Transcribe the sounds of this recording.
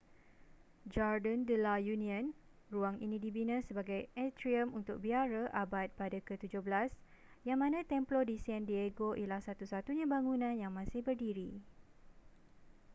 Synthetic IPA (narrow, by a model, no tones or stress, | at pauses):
d͡ʒardəndəlajunĩə̃n | ruaŋʔinĩdibinə̃səbaɡajɛt̪ɾiəmunt̪ʊk̚biaɾəʔabat̪̚padakət̪ud͡ʒʊhbəlas | jaŋmãnãt̪ɛmplodisiɛndieɡoʔilahsat̪usat̪uɲãbaŋunãnjaŋmãsɪhbərdiɾi